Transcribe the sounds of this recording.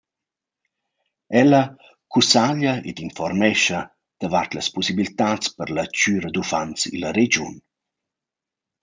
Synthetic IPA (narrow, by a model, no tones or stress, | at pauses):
ɛlɐ | kusaʎaḛd̪infɔrmɛʃɐ | d̪̥avart̪ləspɔsibilt̪at͡spəɾlat͡ʃyːɾəd̪ufant͡sḭlɐɾed͡ʒṵn